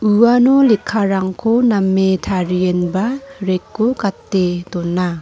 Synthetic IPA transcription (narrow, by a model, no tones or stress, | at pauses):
uwanɔlikʰːaɾaŋkʰonamːetʰaɾienbaɾekːokatːedɔnːa